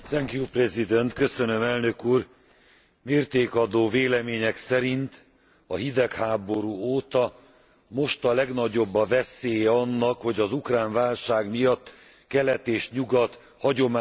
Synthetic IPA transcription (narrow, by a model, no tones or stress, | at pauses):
sɛŋkjuprɛzid̪ɛnt̪kø̞sønø̞mɛlnø̞kuːr | meːrt̪eːkɒd̪oːveːlɛmeːɲɛksɛɾint̪ | ɒɦid̪ɛkhaːbo̞ɾuːoːt̪ɒ | mo̞ʃt̪ɒlɛɡnɒɟo̞bːɒvɛseːjɛɒnːɒkho̞ɟɒzukraːɱvaːlʃaːɡmijɒt̪ː | kɛlɛt̪eːʃɲuɡɒt̪ | hɒɟo̞ma